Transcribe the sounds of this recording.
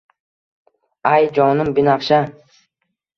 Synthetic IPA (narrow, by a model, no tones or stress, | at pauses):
ajd͡ʒɒnʊmbinafʃa